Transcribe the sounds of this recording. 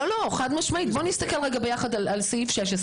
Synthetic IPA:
olo̞χad̪maʃmaʔit̪̚bo̞nist̪akelʁeɡabe̞jaχad̪alalseifʃeʃes

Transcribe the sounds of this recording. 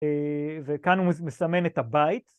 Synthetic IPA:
evekanhumeslame̞net̪abait̪

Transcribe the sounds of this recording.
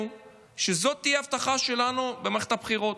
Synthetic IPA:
u | ʃezo̞t̪ːijeavt̪aχaʃe̞lanubemχet̪apχiʁo̞t̪

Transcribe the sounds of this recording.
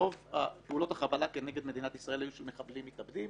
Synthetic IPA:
o̞vapeulo̞thaχabalake̞ne̞ɡed̪me̞d̪inat̪isʁae̞lajuʃelmeχablimːit̪abdim

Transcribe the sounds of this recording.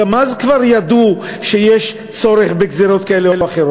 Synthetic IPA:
amazkvaʁjad̪u | ʃejeʃ | t͡so̞ɾeχbeɡzeɾo̞t̪̚kaeleelaχeɾo

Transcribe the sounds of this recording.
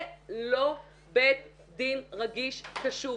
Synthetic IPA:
lo | bet̪ | d̪inʁaɡiʃkaʃu

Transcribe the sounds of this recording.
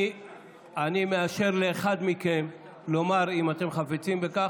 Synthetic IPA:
animeaʃe̞ʁleːχad̪miken | lo̞maʁimat̪e̞mχafit͡simbeka

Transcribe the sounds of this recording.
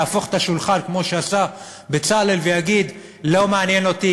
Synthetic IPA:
aːfo̞χe̥t̪aʃulχalkmo̞ʃeasa | bet͡sale̞lvejaɡid̪ | lo̞meanjeno̞t̪i

